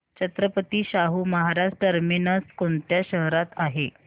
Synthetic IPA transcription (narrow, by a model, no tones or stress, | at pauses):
t͡ɕət̪ɾəpət̪iːɕaɦuːməɦaɾasʈəɾminəskoɳt̪jaɕəɦɾat̪aɦe